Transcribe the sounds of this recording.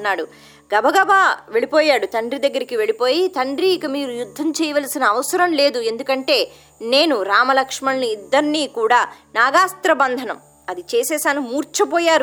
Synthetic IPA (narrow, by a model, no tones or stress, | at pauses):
nːaːɽu | ɡɐbʱɐɡɐbaːʋe̞ɭipoːjaːɽut̪ɐɳɖɾid̪ɐɡːɐɾikiʋe̞ɭipo̞ːjit̪ɐɳɖɾiːkɐmiːɾujud̪ʱːɐmt͡ʃɛːjɐʋɐlsinɐːʋɐsɐɾɐmle̞ːd̪ue̞nd̪ukɐɳʈe̞ː | ne̞ːnuɾaːmɐlɐkʂmɐɭniːd̪ːɐɾnːiːkuːɽaːnaːɡaːst̪ɾɐbɐnd̪ʱɐnɐm | ɐd̪it͡ʃeːsɛːsaːnumuːɾt͡ʃɐpɔːjaːɾ